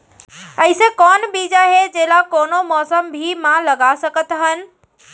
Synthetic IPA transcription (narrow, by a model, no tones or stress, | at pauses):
əisẽkɔnbid͡ʒaɦed͡ʒelakonomɔsəmbʱimãləɡasəkət̪ɦən